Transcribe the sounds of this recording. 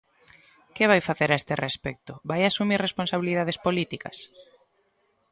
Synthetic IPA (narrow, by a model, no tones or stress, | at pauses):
keβajfaθeɾaest̪erespɛk̚t̪ʊβajasumiɾresponsaβiliðaðespolit̪ikɐ̰s